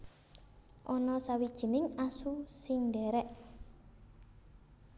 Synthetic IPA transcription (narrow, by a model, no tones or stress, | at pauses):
ʔɔnɔsawid̥ʒ̥ə̤nɪŋasusɪŋɳɖɛɾɛʔ